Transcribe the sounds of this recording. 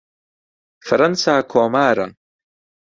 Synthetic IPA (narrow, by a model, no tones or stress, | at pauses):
fɐɾɐnsaːkʰoːmaːɾa̰